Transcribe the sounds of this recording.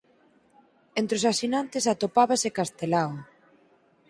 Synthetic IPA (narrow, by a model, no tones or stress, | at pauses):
ent̪ɾɪosasinant̪ɪsat̪opaβasekast̪elawo